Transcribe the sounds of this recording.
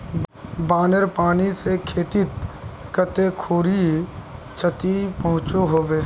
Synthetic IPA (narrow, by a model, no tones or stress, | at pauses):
baːnəɾpaːnisekʰeːt̪ɪt̪kət̪ekʰuːɾi | t͡ʃʰət̪ipəɦʊ̃t͡ʃoɦoːbeː